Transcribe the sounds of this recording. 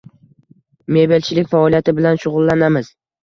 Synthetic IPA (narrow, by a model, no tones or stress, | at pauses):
me̞be̞lt͡ʃʰɪlɪk̚ʲfaɒlˠijat̪ʰɪbɪlanʃʊʁʊlˠːanamɪz̥